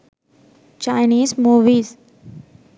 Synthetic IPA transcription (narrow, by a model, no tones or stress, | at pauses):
t͡ʃaɪniːzmuːʋiːz